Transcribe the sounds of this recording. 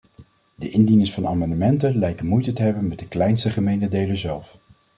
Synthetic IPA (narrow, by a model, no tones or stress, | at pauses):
dəʔɪndinəŋsfɑnaːmɑndəmɛntənlɛjkəmujtətəɦɛbənmɛt̚dəklɛjnstəχəmejntədejləzɛlˠf